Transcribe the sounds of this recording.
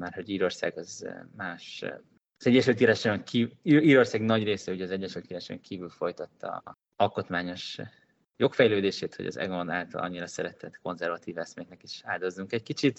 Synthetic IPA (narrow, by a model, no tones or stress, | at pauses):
marho̞ɟiːɾo̞rsa̰ːɡɒzmaːʃ | ɒzɛɟːɛʃylt̪iːɾaʃŋkʰiːiːɾo̞rsaːɡnɒɟreːsɛuɟɛɒzɛɟːɛʃylt̪iːɾaʃɛ̰ŋkʰiːvylfo̞jt̪ɒt̪ːɒ̰ | ɒlko̞t̪maːɲo̞ʃ | jo̞kfɛjløːd̪eːʃeːt̪ho̞̰ɟɒ̰zɛ̰ɡonaːlt̪ɒ̰lʔɒ̰ɲːiɾɒsɛɾɛt̪ɛt̪ko̞nzɛrvɒt̪iːvɛsmeɛknɛkiʃaːd̪o̞zːuŋkɛckit͡ʃit̪